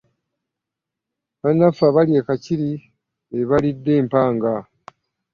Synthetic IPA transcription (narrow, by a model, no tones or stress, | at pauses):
βanːafaβaliekaciɾi | eβalidːe̞ːmpaːŋɡa